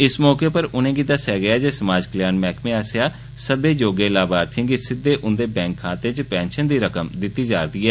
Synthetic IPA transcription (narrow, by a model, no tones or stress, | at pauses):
ɪsmɔːkeːpəɾʊnẽːɡɪt̪aːsɛːɡəjaːd͡ʒeːsəmaːd͡ʒkəljaːnmɛːkmẽːasejaː | səbeːd͡ʒoːɡeːlaːbaːɾt̪ʰĩːŋɡɪt̪sɪːeːʔʊnd̪eːbɛ̃ːŋkʰːaːt̪ẽːt͡ʃəpɛ̃ːnʃənd̪iːɾəkəmd̪ɪt̪ːiːd͡ʒaːɾd̪iːɛː